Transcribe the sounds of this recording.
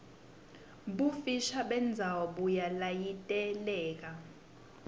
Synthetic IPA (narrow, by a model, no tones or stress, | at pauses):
ɓufiʃaɓɛnd͡zʱawɔɓujalajitʼɛlɛːk̬a